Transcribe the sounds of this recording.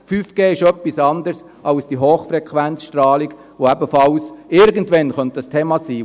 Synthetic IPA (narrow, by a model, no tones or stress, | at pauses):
fyːfɡ̥eːɪʃœpːisɑnd̪əɾs | ʔɑlsd̥iɦoːχfɾɛkχʋænt͡ssʃtɾɑːliɡ | ʋoɛbəfɑlsɪɾɡəntʋɛnχœntdəstʰeːmɑsiː